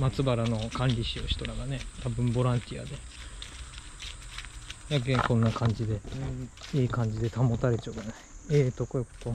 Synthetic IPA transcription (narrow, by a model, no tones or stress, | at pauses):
mat͡sɨbaɾano̞kãnɾʲiɕioɕi̥t̪o̞ɾaɡane̞t̪abɯ̟̃mbo̞ɾãnt̪ʲia̰d̪e̞ | jaɡ̬ekõ̞nːakʰãɲ̟d͡ʑid̪e | iːkãɲ̟d͡ʑid̪e̞t̪amo̞t̪aɾe̞t͡ɕaoɡenaiet̪okoeko̥t̪o